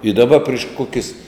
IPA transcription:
ɪ dɐˈbɐ pʲrʲɪʃ ˈkoːkʲɪs

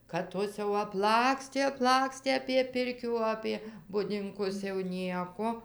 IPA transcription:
kɐt ˈtoːs jɛʊ ɐpˈlˠɑːksʲtʲeː ɐpˈlˠɑːksʲtʲeː ɐpʲiɛ ˈpʲɪrʲkʲuː ɐpʲiɛ bʊdʲɪŋˈkʊs jɛʊ ˈnʲiɛkoː

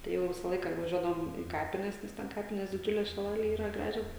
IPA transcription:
tɐɪ ˈjɛʊ ˈʋʲɪsɐ ˈlˠɐɪkɐ ʋɐˈʒʲuɔdɐʋoːm iː ˈkɑːpʲɪnʲɛs ˈnʲɛs tʲɛn ˈkɑːpʲɪnʲeːs dʲɪˈd͡ʒʲʊlʲeːs ʃʲɪˈlˠɑːlʲeːj ˈiːrɐ ˈɡrɑːʒʲoːs

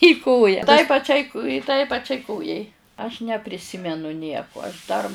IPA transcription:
iː ˈkoːjɛ tɐɪ pɐˈt͡ʃʲɛɪ tɐɪ pɐˈt͡ʃʲɛɪ ˈkoːjɛɪ ɐʃ nʲɛpʲrʲɪˈsʲɪmʲɛnʊ ˈnʲiɛkʊ ɐʃ dɐr

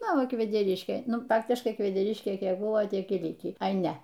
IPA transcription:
ˈnʊ ˈʋɐ kʋʲɛdʲɛˈrʲɪʃʲkʲeː ˈnʊ ˈfɑːktʲɪʃkɐɪ kʋʲɛdʲɛˈrʲɪʃʲkʲeː ˈkʲiɛk ˈbʊʋoː ˈtʲiɛk ɪr ˈlʲɪkʲiː ɐɪ ˈnʲɛ

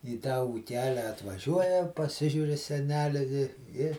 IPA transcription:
iː tɑː uːˈkʲæːlʲæː ɐtʋɐˈʒʲuɔjɛ pɐˈsʲɪʒʲuːr ɪ sʲɛˈnʲæːlʲɪ ʋʲɪ ɪ

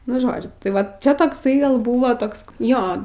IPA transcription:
nʊ ˈʒoːd͡ʒʲʊ tɐɪ ˈʋɐt ˈt͡ʃʲɛ toːkˈsɐɪ ɡɐlˠ ˈbuːʋoː ˈtoːks ˈjoː

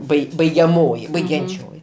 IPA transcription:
ˈbɐɪ bɐɪɡʲɛˈmoːjɪ bɐɪɡʲɛnʲˈt͡ʃʲoːjɪ

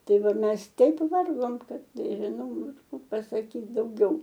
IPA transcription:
ˈtɐɪ ˈʋɐ ˈmʲɛs ˈtʲɛɪp ˈʋɐrɡoːm ˈkɐt nʲɛʒʲɪˈnɐʊ ˈɐʃ ˈkuː pɐsɐˈkʲiːt dɐʊˈɡʲɛʊ

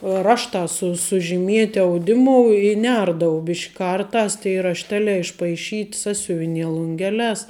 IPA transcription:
ˈrɑːʃtɑː sʊ sʊʒʲɪˈmʲiɛtʲɪ ɐʊˈdʲɪmʊ ɪ ˈnʲɛrdɐʋɐʊ ˈbʲɪʃʲkʲ ˈkɐrˌtɑːs tɐɪ rɐʃʲˈtʲæːlʲɛː ɪʃpɐɪˈʃʲiːtʲ ˈsɑːsʲʊʋʲɪnʲiɛ lˠʊŋʲˈɡʲæːlʲɛːs

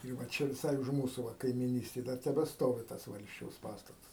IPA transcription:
ɪr ʋɐ ˈt͡ʃʲɛ ʋʲɪˈsɐɪ ʊʃ ˈmuːsʊ ʋɐ kɐɪmʲiːˈnʲiːsʲtʲeːj ˈdɐr tʲɛbʲɛˈstoːʋʲɪ ˈtɐs ˈʋɐlʲsʲt͡ʃʲɛʊs ˈpɑːstɐtɐs

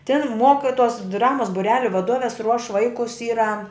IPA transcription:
tʲɪn ˈmuɔkʲɪtuɔs ˈdrɑːmuɔs bʊˈrʲæːlʲʊ ʋɐˈduɔʋʲɛs ruɔʃ ˈʋɐɪkʊs ˈiːrɐ

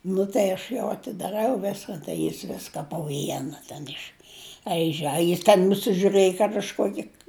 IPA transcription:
ˈnʊ tɐɪ ɐʃ ˈjɛʊ ɐtʲɪdɐˈrɐʊ ˈʋʲɪskɐn tɐɪ ˈjɪs ˈʋʲɪskɐ poː ˈʋʲiɛnɐ tʲɛn ɪʃˈɐɪʒʲɛ ɐ jɪs tʲɛn nʊsʲɪʒʲʊˈrɘjɪ kɐt ɐʃ ˈkuɔkʲɪ

